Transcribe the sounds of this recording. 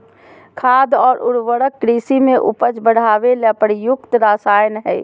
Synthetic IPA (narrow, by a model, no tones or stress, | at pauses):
kʰaːd̪ɔːɾʊɾwəɽəkːɾiːsimẽʔṵpət͡ʃbəɽ̤ʱaːʋelɛpəɾjʊkt̪ɾaːsaːjnɦɛː